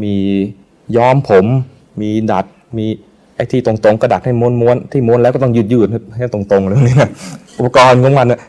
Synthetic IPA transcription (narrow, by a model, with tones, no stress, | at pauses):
miː˧ | jɔː˧˥˩mpʰo˩˦m | miː˧da˨˩t̪̚ | miː˧ | ʔa˧˩jt̪ʰiː˧˩o˨˧˩ŋt̪o˧ŋkːda˨˩t̪̚ha˥˩jmu˧˥nmu˧ənt̪ʰiː˧˩mu˧˥nlːwkɔː˥˩t̪ɔ˥˩ŋjɯː˧˩t̪̚jɯː˧˩t̪̚a˧˩˥a˧˩t̪o˧˩ŋt̪o˧ŋlɯ˧˩˧ni˧˩na˧˩ʔu˨˩pʰːa˧kɔː˧nkʰo˧˦ŋwa˧nːa˧˩